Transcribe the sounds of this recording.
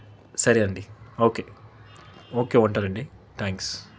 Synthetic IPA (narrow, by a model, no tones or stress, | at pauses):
sɐɾiɐɳɖioːkeː | oːkeːuɳʈaːɾɐɳɖi | t̪ʰaːŋks